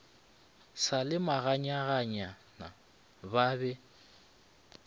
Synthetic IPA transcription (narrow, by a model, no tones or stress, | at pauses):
salɪmaɣaɲaɣaɲa | na | babɛ